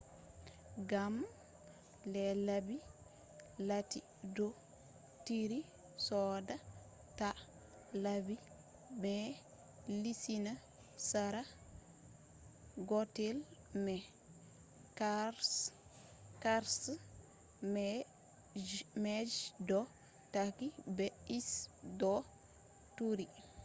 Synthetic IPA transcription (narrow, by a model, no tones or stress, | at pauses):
ɡam | lɛlabi | lati | dɔ | tiɾi | sɔda | ta | labi | mɛ | lisina | saɾa | ɡɔtɛlmɛ | kaɾs | kaɾs | mɛ | d͡ʒmɛd͡ʒdɔ | takibɛisdɔ | tuɾi